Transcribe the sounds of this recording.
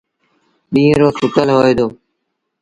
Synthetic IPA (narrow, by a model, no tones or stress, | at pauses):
ɗĩːɾoːsʊkəlɦoːeːd̪oː